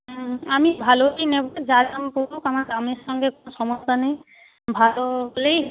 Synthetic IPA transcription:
amibʱaloejnɛbɔzad͡ʒampoɾukamaɡamesɔŋɡɛkonɔsɔmɔst̪anaj | bʱalɔlej

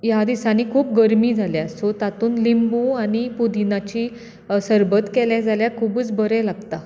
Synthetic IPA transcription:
jad̪isaniːkʰuːp̚ɡəɾmiːd͡zʱaljasot̪at̪uːnlimbuañipud̪ʱinat͡ɕiː | səɾbət̪kɛljad͡zaljakʰuːbəːt͡sbəɾɛlaɡt̪a

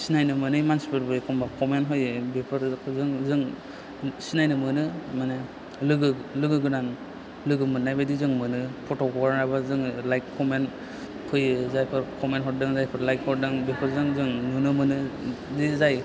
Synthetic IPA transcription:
sinajnɯmɯnɯjmansi̥pʰɯɾbɯjkʰɔmbakʰɔmenɦɔjbepʰɯɾkzɯŋzɯŋ | sinajnɯmɯnɯmane | lɯɡɯlɯɡɯɡɯnan | lɯɡɯmɯnːajbadizɯŋmɯnɯpʰɔtɔkɔɡɾnɾabazɯŋlajkkʰɔmen | kʰɯjzajpʰɯɾkʰɔmenɦɔɾ̚dɯŋzajpʰɯɾlajk̚hɔɾdɯŋbepʰɯɾzɯŋzɯŋnunɯmɯnɯdizaj

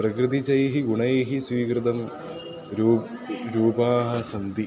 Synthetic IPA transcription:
prɐkrɨd̪it͡ɕɐjɦiɡuɳɐjɦisʋiːkrɨd̪ɐm | ɾuːɾuːbaːɦɐsɐnd̪i

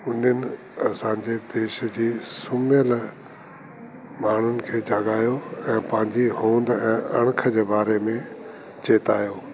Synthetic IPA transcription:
ʊnənɪ̆ | ɐsãːɲd͡ʑed̪eːʃd͡ʑiːsʊmjəl | maːɳ̤ʊnɪ̆kʰeːd͡ʑɐɡaːjoɛ̃ːpɐ̃ɦɪ̃ɲd͡ʑiɦõːnd̪ɛ̃ːʔɐɽ̃kʰəd͡ʑeːbaːɾemẽ | t͡ɕeːt̪aːjoː

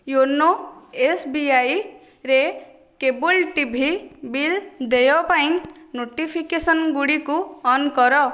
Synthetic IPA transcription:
jonːoesbiaj | ɾe | kebulʈibʱibild̪ejɔpaĩnoʈipʰikesɔnɡuɽikuɔnkɔɾɔ

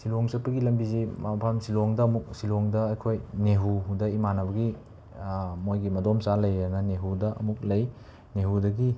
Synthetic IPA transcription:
siloŋsɐpːɐɡilɐmbizemapʰamsiloŋdɐːmuk̚siloŋdɐːjkʰojneɦuɦudɐimanɐbɐɡi | mojɡimɐdomsalɐjanɐneɦudɐʔɐ̰muk̚lɐj | neɦudɐɡi

